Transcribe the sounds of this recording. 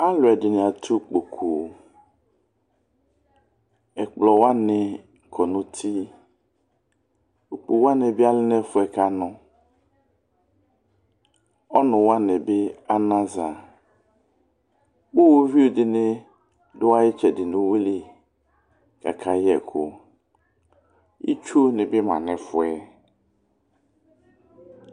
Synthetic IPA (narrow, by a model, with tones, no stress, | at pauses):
a˦lʊ˨ɛ˨dɪ˨nɪ̃˨a˨tʰu˦k͡po˨kʰu˨ | ɛ˨k͡plɔ˨wa˦nɪ˨ | kʰɔ˨nʊ̃˦tʰi˦ | o˨k͡pu˨wa˦nɪ˨bɪ˦a˦lɪ˦nɛ˦fʊ˦ɛ˨ka˦nʊ̃˦ | ɔ˦nʊ̃˨wa˦nɪ˨bɪ˦a˦nã˦za˨ | wu˦wo˦vi˦u˨dɪ˨nɪ˦ | dʊ˦wa˦jɪ˦t͡ʃɛ˨dɪ˨nʊ˨we˦li˦ | ka̰˨kʰa˨jɛ˨kʰʊ̰˨ | ḭ˦t͡ʃu˦nɪ̃˨bɪ˦ma̰˨nɛ˨fʊ˨ɛ˨